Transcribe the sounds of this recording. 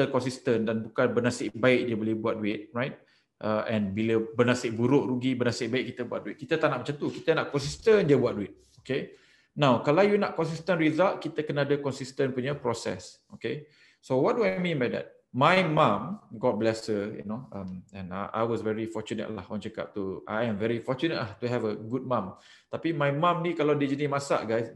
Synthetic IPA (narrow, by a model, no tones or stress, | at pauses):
t̪əkɔnsist̪əndanbukanbənasɪʔbaɪk̚diəbolɪhbuat̚duɪt̪̚ɹajt̚ | ʔəʔɛ̃nbiləbənãsɪʔ̚buɾʊʔɾuɡibənãsɪʔ̚baɪʔk̚ːit̪əbua̰t̚duɪt̪̚kit̪ət̪anaʔmat͡ʃãnt̪ukit̪ənaʔkɔ̃ns̬ist̪əndiəbuat̚duɪt̪̚ | oke | nawkalawjunaʔkɔnsist̪ə̃nɹizalt̚kit̪əkənadəkɔnsist̪ə̃npuɲəpɾɔsɛ̰s | oke | sowɔt̚duajmĩnbajdɛ̰t̚ | majmãmɡɔt̪̚blɛsəjṵnoãmɛ̃naʔa̰jwɔsvɛɹifɔt͡ʃunə̰ʔla̰hɔ̰̃nt͡ʃəka̰ʔ̚t̪ua̰jɛ̃mvɛɹifɔt͡ʃunə̰ʔlaht̪uɦɛvəɡud̚mãm | t̪apimajmãmnĩkalawdid͡ʒənimasa̰ʔɡajs